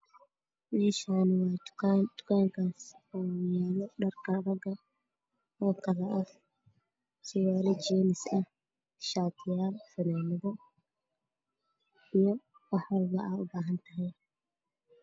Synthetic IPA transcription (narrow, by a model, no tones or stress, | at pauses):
mɛːʃaːnɪwɑːt̪kʰand̪ʊ̥kʰaːŋkʰaːsɔːmaːlɔɖɐrkʰɐɾɐɡɐ | ɔːkʰɐlɐʔɐ | t͡ʃɪwaːɾɛt͡ʃɛːnɪsɐh | ʃaːt̪ʰɪjaːlfɐnaːmɐðɐ | ijɔ | wɑħwɐlbɐʔɐʊbaːɦɐnt̪ʰɐɦɛj